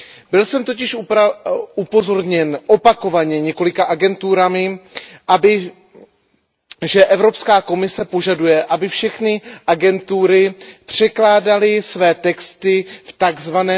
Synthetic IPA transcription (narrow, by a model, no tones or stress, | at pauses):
bɪlsɛmt̪o̞cɪʃ | upo̞zo̞ɾɲɛnʔo̞pako̞vaɲɛɲɛko̞lɪkaʔaɡɛnt̪uːɾamɪʔabɪ | ʒɛʔɛvɾo̞pskaːko̞mɪsɛpo̞ʒadujɛʔabɪfʃɛxnɪʔaɡɛnt̪uːɾɪpr̥ɛklaːdalɪsvɛːt̪ɛkst̪ɪft̪aɡzvanɛː